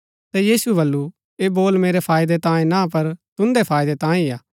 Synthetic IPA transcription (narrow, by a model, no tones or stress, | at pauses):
t̪ɛjiːsuɛbɐlːu | eboːlmeːɾepʰaːɪd̪et̪ãːĩnãpɐɾt̪ʊ̃nd̪epʰaːɪd̪et̪ãːĩaː